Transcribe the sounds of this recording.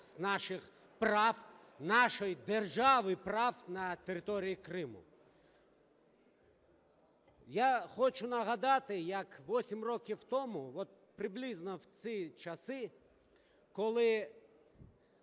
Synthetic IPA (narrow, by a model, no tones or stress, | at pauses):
sʲnɑʃɪx | prɑw | nɑʃɔjd̪erʒɑʋɪpɾɑwnɐt̪eɾɪt̪ɔɾʲijikɾɪmʊ̰ | jaxɔt͡ʃʊnɐɦɐd̪ɑt̪ɪjɐkʋɔsʲimrɔkʲɪwt̪ɔmʊʋɔt̪̚pɾɪblʲiznɔwt͡s̪ʲit͡ʃɐsɪ | kɔlˠɪ